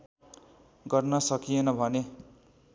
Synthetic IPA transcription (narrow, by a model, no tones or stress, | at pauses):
ɡʌrnʌsʌkijenʌbʱʌne